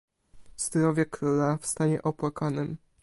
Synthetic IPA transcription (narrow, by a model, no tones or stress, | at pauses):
z̥d̪ɾɔvʲjɛkɾulafst̪aɲɛʔɔpwakanɘm